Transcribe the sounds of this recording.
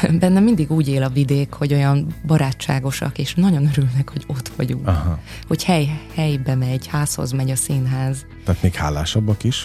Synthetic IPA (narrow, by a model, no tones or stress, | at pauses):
bɛnːɛmind̪iɡuːɟeːlɒvid̪eːkho̞ɟo̞jɒmbɒɾaːt͡ʃːa̰ːɡo̞ʃɒ̰keːʃnɒɟo̞nøɾylnɛkho̞ɟo̞t̪ʋɒ̰ɟṵŋkɦ | ho̞chɛjhɛjbɛmɛɟhaːsho̞̰zmɛɟɒsinɦaːz | t̪aːt̪meːkhaːlːaːʃɒbːɒkiʃ